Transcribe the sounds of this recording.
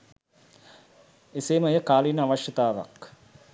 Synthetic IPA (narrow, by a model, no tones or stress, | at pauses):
eseːməejəkaːlinəaʋaʃjɐt̪aːʋa̰k